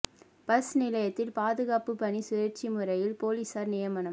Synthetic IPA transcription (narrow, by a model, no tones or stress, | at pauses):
pɐsnɪlɐjɐt̪ːɪlpaːðɯɣaːpɯpɐnisʊjɐɾt͡ʃimɯrɐjɪlpoːliːsɐɾnɪjɐmɐnɐm